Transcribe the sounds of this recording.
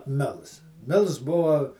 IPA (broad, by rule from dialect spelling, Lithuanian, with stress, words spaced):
ˈmʲɪlˠs ˈmʲɪlˠs ˈbʊʋɐ